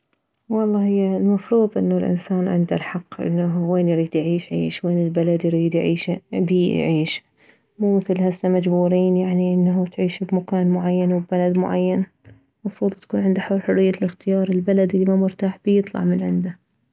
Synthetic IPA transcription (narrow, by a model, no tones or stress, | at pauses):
wɑlˤːɑːhɪjːalmɑfɾuːðˤʔɪ̰nːalʔɪ̰nsaːnʕɪ̰nd̪a̰lħɑqːʔɪ̰nːaɦweːnjɪɾiːd̪jʕiːʃʕiːʃweːnɪlbalad̪jɾiːd̪jʕiːʃbḭʕiːʃ | muːmɪθlɦasːamad͡ʒbuːɾiːnjaʕniʔɪnːɦut̪ʕiːʃbmakaːnmʊʕajːanwbbalad̪mʊʕa̰jːan | mɑfɾuːðˤt̪ḁkuːnʕɪnd̪aħʊɾħʊrːɪjːalɪxt̪ɪjɑːɾˤɪlbalad̪ɪlːimamʊɾt̪aːħbɪjɨt̪ˤlɑ̰ʕmɪnʕɪnd̪a